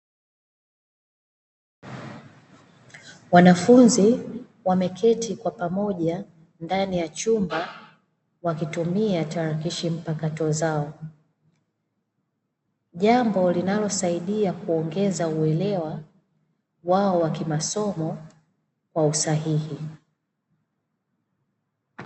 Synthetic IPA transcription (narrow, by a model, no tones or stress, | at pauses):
wanafunzi | wamɛkʰɛtikwapamɔʄa | ndanijat͡ʃumba | wakitumiataɾakiʃim̩pakatɔzaɔ | ʄambɔlinalɔsaiɗiakuɔŋɡɛzauɛlɛwa | waɔwakimasɔmɔ | kwausaɦihi